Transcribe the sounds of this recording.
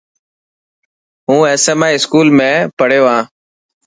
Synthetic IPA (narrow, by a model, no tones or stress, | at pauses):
ɦũːeːseːmaːiːskuːlmẽːpəɽ̤joːãː